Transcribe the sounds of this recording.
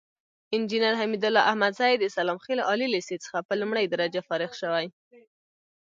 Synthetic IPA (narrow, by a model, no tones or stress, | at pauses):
ɪnd͡ʒinaɾɦamid̪ʊlɑʔahmad̪zajd̪əsalɑmxelɑlileset͡sə̥xapəlumɽəjd̪aɾad͡ʒafɑɾɪxʃəwaj